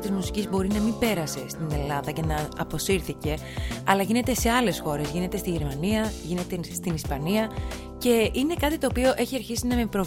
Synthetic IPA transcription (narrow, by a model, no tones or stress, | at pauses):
t̪izmusi̥cizbo̞ɾinɐmibe̞ɾɐse̞st̪ine̞lɐðɐce̞nɐɐpo̞siɾθice̞ | ɐlɐʝine̞t̪e̞se̞ɐle̞sxo̞ɾe̞zʝine̞t̪e̞st̪iʝe̞ɾmɐniɐʝine̞t̪e̞st̪inispɐniɐ | ce̞ine̞kɐt̪it̪o̞ːpio̞ʔe̞çiɐɾçisinɐme̞pɾo̞